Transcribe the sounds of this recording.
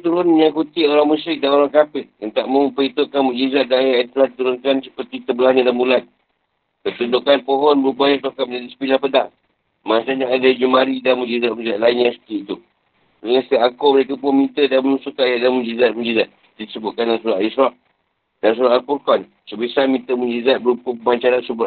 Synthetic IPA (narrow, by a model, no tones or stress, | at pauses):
t̪uɾʊnjaŋkut̪iʔoɾaŋmusɾɪk̚danoɾaŋkapɪhənt̪aʔməmpəit̪uʔ̚kanmũd͡ʒizat̪̚danjaʔat̪uladit̪uɾʊnkansə̥pərt̪it̪əbəlahɲadanmbulan | kət̪undʊkanpoɦɔnbəɾubaɲat̪okaməd͡ʒadisə̥pilahpədaŋ | mant͡ʃaɲaadad͡ʒumaɾidanmud͡ʒizat̪̚mud͡ʒizat̪̚lainɲasə̥t̪iit̪u | dəŋast̪aʔaŋkoməɾekəpumĩnt̪ədamənusukaʔjaʔdanmud͡ʒizat̪̚mũd͡ʒizat̪̚ | disəbʊt̪̚kanlasuɾaʔisɾɔʔ̚ | dans̬uɾaʔalpurfan | səbisamĩnt̪əmũd͡ʒizat̪̚bəɾupupəmaɲt͡ʃaɾansubʊʔ